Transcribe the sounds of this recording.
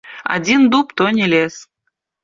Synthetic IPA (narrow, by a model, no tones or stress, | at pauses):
a̰d̪ʲind̪upt̪onʲilʲes